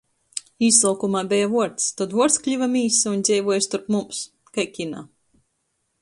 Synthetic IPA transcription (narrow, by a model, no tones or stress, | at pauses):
iːsˠaːkumaːbʲɛjavuɔɾt̪st̪ɔd̪vuɔɾt̪sklʲivamiːsund̪zʲɛjvuɔjst̪uɾpmums | kajkʲina̰ː